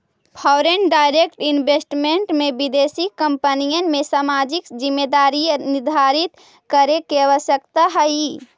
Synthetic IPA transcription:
pʰɔʊɾenɖaːɪɾekʈɪnbesʈmẽɳʈmẽbɪd̪eːsikə̃mpənijənmẽsaːmaːd͡ʒɪkzɪmːed̪aːɾinɪd̪ʱaːɾɪt̪ | kəɾekeəʋəʃjəkt̪aɦəi

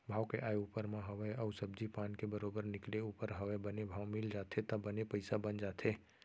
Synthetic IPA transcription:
bʱaːwkeʔajupəɾmaɦəʋəəʊsəb̚d͡ʒipankebəɾobəɾnɪkleupəɾɦəʋɛbənebʱawmɪld͡ʒat̪ʰet̪əbənepəɪsabənd͡ʒat̪ʰe

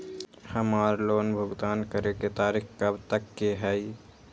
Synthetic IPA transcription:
həmaɾlonbʱʊɡd̪aːnkəɾeket̪aɾikkəbt̪əkːeɦəɪ

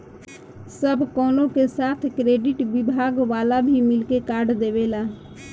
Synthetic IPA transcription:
səbʱkɔːlõkesaːt̪ʰkɾeːɖɪʈbibʱaːɡʋaːlabʱimɪlkekaːɾɖd̪ebela

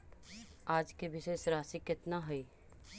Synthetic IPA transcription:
aːd͡ʒkeʋɪʃeːʃɾaːsikɪt̪naɦɛi

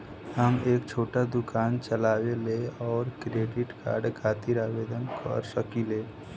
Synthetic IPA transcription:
həmeːkt͡ʃʰoːʈad̪ʊkaːnt͡ʃəlaːweleɔːɾkɾeːɖɪʈka̰ːɾɖkʰaːt̪iɾaːʋeːd̪ənkʰə̰ɾsəkileː

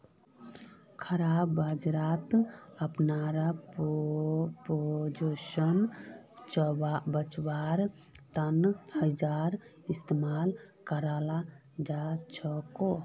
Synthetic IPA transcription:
kʰəɾabːad͡ʒɾat̪əpnaɾap | pod͡ʒoʃənt͡ʃbabət͡ʃbaɾ | t̪ənhəd͡ʒaɾ | ist̪emalkəɾala | d͡ʒat͡ʃʰəko

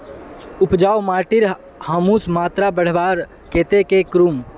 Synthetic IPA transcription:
ʊpd͡ʒaːwmaːʈɪɾ | həmuːsmaːt̪ɾabəɽ̤ʋaːɾ | keːt̪ekekɾuːm

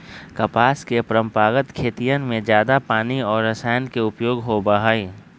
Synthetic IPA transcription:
kɐpaːskepɾə̃mpaːɡət̪kʰeːt̪ijənmẽd͡ʒjaːd̪apaːniɔːɾːɐsaːjənkeʊpjoːɡɦobəɦaːi

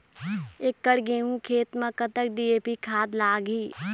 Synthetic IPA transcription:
eːkːəɽɡeːũkʰeːt̪mɐ̃kət̪ək̚ɖieːpikʰaːd̪laːɡiː

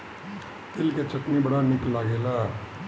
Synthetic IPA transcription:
t̪ɪlket͡ʃɐt̪nibəɽanɪklaːɡela

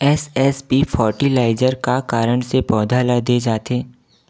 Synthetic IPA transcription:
ɛsɛspifʰɔːɾʈilaːɪd͡ʒəɾkakaːɾəɳ̃sepɔːd̪ʱalad̪ed͡ʒaːt̪ẽː

